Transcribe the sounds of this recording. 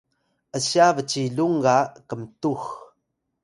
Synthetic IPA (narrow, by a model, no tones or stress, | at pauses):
əɕiavət͡ɕiɮuŋɡakəmtux